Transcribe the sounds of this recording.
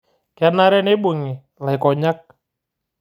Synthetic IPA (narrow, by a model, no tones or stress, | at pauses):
karnaɾɛnebuŋe | lakɔɲak̚